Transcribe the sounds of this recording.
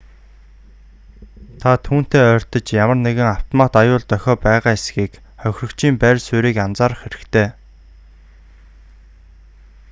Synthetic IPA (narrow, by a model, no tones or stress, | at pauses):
t̪ʰat̪ʰuːn̥t̪eːœːr̥ʲt̪ə̆t͡ɕjamə̆rneɣɪ̆ŋaw̥t̪ʰɔmaːt̪ajʊːɮt̪œxʲɔːpæːʁaːesɡiːk | χœxʲrɵ̆kt͡ɕʰiːmpærʲsuɾiːkamt͡saːɾə̆χeɾɘ̆kt̪ʰeː